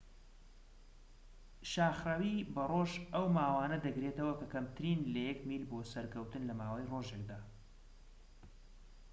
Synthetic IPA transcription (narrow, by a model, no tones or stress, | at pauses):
ʃaːxrawiːbɐroːʒɐwmaːwaːnɐd̪ɐɡɾet̪ɐwɐkɐkɐmt̪ʰɨɾinlɐjɛkmilboːsɐɾkʰɐwt̪ɨnlɐmaːwɐjroʒekd̪aː